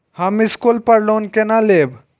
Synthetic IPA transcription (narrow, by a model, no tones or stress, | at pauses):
hãmiskolpəɽlonkenaleb